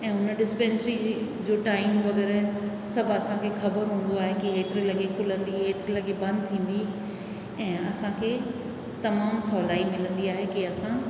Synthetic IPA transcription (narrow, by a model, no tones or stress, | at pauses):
ɛ̃ːʊnə̆ɖɪspẽːnsəɾi | d͡ʑoːʈaːɪmʋɐɣɛːɾ | sɐbʱɐsãkʰexɐbəɾɦũːn̆d̪oaːɦekiɦeːt̪ɪɾelɐɠekʰʊlə̃nd̪iɦeːt̪ɪɾelɐɠebɐ̃nd̪̚t̪ʰĩːn̆d̪i | ɛ̃ːɐsãkʰeː | t̪ɐmaːmsɔːlaːimɪlə̃nd̪iaːɦekiɐsã